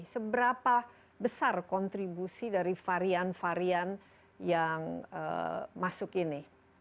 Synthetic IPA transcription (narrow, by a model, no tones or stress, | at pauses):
səbəɾapa | bəsarkɔnt̪ɾibusidaɾifaɾianfaɾian | jaŋə̰masʊkini